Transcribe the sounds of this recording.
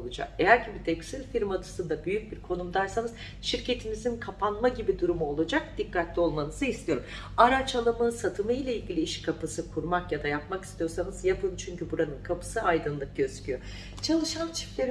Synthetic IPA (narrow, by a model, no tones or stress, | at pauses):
lˠud͡ʒa̰ke̞jæɾɟibit̪ʰɛksilʲfiɾmat̪ʰɯ̥sɯnd̪abyjyc̚biɾkʰo̞numd̪aɾsanɯz | ʃiɾcʰe̞t̪ʰimizinkʰapʰanmaɟibid̪uɾumuo̞lˠad͡ʒak̚d̪̥ikːat̪lʲio̞lˠmanɯzɯist̪ʰijo̞ɾum | aɾat͡ʃalˠamɯsat̪ʰɯmɯjlʲailʲɟʲilʲiiʃkʰapʰɯsɯkʰuɾmakjad̪ajapmaki̥st̪ijo̞ɾsanɯzjapʰɯt͡ʃʰyɲcybuɾanɯnkʰapʰɯ̥sɯajd̪ɯnlˠɯk̚ɟøzcʰyjo | t͡ʃʰalˠɯʃant͡ʃʰi̥plʲeɾ